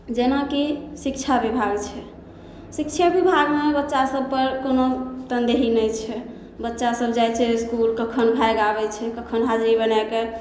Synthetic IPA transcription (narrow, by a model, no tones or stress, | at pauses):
d͡ʒenakisikt͡ʃʰabibʱaɡt͡ʃʰɛ | sik̚t͡ʃʰabibʱaɡmebətːʃasəb̚ʱpəɾkonot̪ənd̪eɦinɛjt͡ʃʰɛ | bətːʃasəbd͡ʒajt͡ʃʰɛskulkəkʰənbʱajɡabɛt͡ʃʰɛkəkʰənɦad͡ʒɾibənɛke